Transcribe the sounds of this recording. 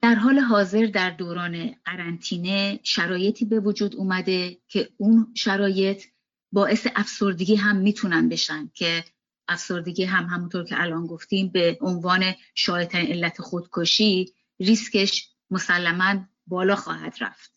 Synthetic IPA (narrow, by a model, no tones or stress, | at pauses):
d̪̥æɾɦɒːle̞ɦɒːze̞ɾd̪æɾd̪oːɾɒːne̞ɢæɾænt̪ʰiːne̞ʃæɾɒːje̞t̪ʰiːbe̞vod͡ʒuːd̪uːmæd̪e̞cʰe̞unʃæɾɒːje̞t̪ʰ | bɒːʔe̞seʔæfso̞ɾd̪eɡʲiːɦæmːiːt̪ʰunænbe̞ʃænd̪̥̚cʰe̞ | ʔæfso̞ɾd̪eɟiːɦæmhæmunt̪ʰoɾcʰeʔælʔɒːnɡo̞ft̪iːmbeʔonvɒːne̞ | ʃɒːjet̪ʰæɾiːne̞lːæt̪ʰexod̪̥kʰoʃiː | risce̞ʃ | mo̞sælːæmæn | bɒːlɒːxɒ̰ːhæ̰d̪̥ɾæ̰ft̪̚